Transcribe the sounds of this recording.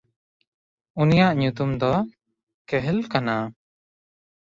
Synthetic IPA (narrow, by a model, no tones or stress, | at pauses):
unijaʔɲut̪umd̪ɔ | kɛɦɛlkana